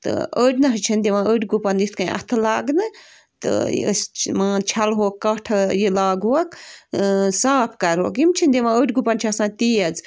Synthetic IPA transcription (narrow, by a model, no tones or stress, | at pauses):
t̪ɨ̰əːɽʲnɐɦt͡ʃʰind̪iʋãəːʈʲɡupɐnd̪it̪ʰkɐ̃ĩʔɐ̰t̪ʰɨlaːɡnɨ | t̪ɨ̰ə̰smãːt͡ʃʰɐlɦoːkːɐʈʰɐjilaːɡuɐk | saːpʰkɐɾɦo̰ːkimt͡ʃʰind̪iʋãəʈʲɡupɐnt͡ʃʰɐsãːnt̪iːɐd͡z